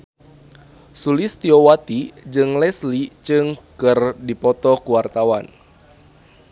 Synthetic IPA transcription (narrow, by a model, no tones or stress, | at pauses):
sulist̪iowat̪id͡ʒɨŋlɛslit͡ʃɨŋkɨrdipɔt̪ɔkuwart̪awan